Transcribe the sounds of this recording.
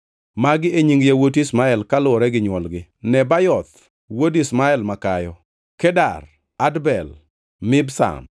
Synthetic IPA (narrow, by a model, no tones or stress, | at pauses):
maɡɪeɲiŋɡjawotismaɛlkalʊɔɾɛɡɪɲwɔlɡɪnɛbajɔt̪̚ | wodismaɛlmakajɔ | kɛda̰r | adbɛl | mɪbsa̰m